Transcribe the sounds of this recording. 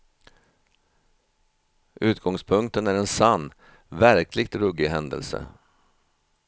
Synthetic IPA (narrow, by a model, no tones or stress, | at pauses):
ʔʉ̟ːt̪̚ɡɔŋspʰɵŋk̚t̪ənæɾɛnsanː | væɾkʰlɪɡ̚t̪ɾɵɡːɪɦɛnd̪ə̰lsə̰